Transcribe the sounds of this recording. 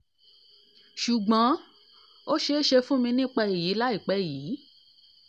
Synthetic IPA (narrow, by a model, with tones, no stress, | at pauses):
ʃu˨ɡ͡bã˨˦ | o˦ʃe˧˦ʃe˧fũ˦mĩ˧nĩ˦k͡pa˧i˨ji˨˦la˦i˦˨k͡pɛ˨˦˨jiː˨˦